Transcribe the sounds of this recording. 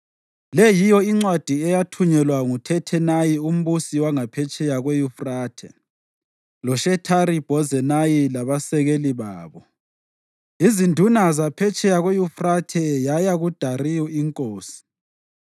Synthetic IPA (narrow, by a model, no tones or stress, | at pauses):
lɛjijɔiŋ͡ǀwad̥ʱiɛjatʰuɲɛlwaŋutʰɛtʰɛnajium̩βusiwaŋapʰɛt͡ʃʰʼɛjaɣwejufraːtʰɛ̰ | lɔʃɛtʰaɾib̥ʱɔzɛnajilaβasɛɣeliβaːβɔ | izindʱunazapʰɛt͡ʃʼɛjaɣejufratʰɛjajaɣud̥ʱarijɔiŋkʼoːsi̥